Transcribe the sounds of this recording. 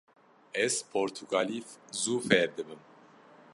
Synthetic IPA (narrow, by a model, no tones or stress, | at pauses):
ɛzpʰoɾt̪ʰuɡalifzufɛɾd̪ɨbɨm